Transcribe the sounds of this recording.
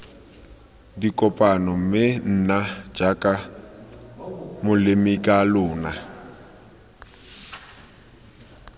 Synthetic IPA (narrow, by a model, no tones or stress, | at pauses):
dikʼɔpʼanɔm̩mɪn̩ːnad͡ʒakʼa | mʊlɪmikʼalʊːna